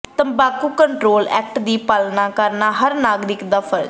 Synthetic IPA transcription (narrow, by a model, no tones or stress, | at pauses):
t̪əmbaːkuːkəɳʈɾoːlɛ̰ːkʈd̪iːpaːlnaːkəɾnaːɦəɾnaːɡɾɪkd̪aːpʰəɾ